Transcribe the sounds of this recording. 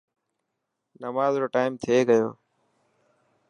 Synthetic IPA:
nəmaːzɾoːʈaːɪmt̪ʰeːɡəjo̰ː

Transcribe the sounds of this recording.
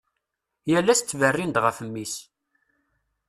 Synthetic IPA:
jælːæst͡s̪ːvərːind̪ʁəfəmːis

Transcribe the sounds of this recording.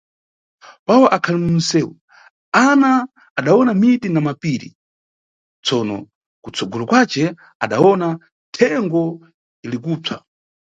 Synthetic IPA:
pawaʔakʰalɛmun̩sɛːwu | anaː | ɗaɔnamitinamapiɾḭ | t͡sʰɔnɔ̰ | kut͡sʰɔɡɔlɔkwat͡ʃɛ | a̰ɗawɔna | tʰɛŋɡɔ | ilikuːb͡ʐʰa

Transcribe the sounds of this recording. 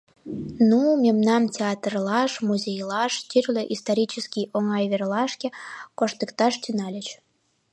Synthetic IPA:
numʲemnɑmtʲeɑt̪rlɑʃmuzʲejlɑʃt̪ʲyrlʲeʔist̪oɾʲit͡ɕəskʲijoŋɑjverlɑʃkʲekoʃt̪əkt̪ɑʃt̪ynɑlʲə̆t͡ɕ

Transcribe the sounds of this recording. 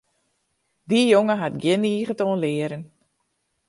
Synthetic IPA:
dijoŋəɦatɡjɪniːɣətoːnlɪəɾən

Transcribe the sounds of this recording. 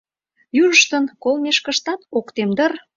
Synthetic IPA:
juʒəʃt̪ənkolmeʃkə̆ʃt̪ɑt̪okt̪emd̪ər

